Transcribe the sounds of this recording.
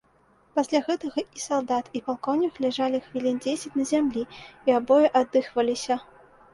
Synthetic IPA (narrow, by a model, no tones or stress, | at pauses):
pasʲlʲaɣɛt̪ɐɣɐisalˠd̪at̪ipalˠkɔwnʲiklʲɛʐalʲixvʲilʲind͡zʲesʲɛt͡sʲnɐzʲamlʲiiabɔjɛʔad̪ːɨxvɐlʲisʲɐ